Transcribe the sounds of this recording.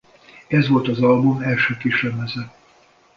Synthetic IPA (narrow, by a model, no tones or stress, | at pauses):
ɛzʋo̞lt̪ɒzɒlbumɛlʃøːkiʃɛmɛzɛ